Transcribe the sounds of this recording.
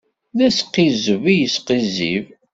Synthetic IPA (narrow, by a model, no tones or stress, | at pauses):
ðæsqːizəvijəsqizḭv